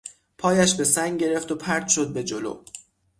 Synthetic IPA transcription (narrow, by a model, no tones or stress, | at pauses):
pʰɒːjæʃbe̞sæŋɡɟe̞ɾe̞ft̪opʰæɾt̪ʃod̪̚be̞d͡ʒolo̰